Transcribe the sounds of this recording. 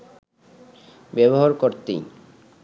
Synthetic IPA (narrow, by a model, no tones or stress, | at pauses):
bɛboɦaɾkoɾt̪ḭj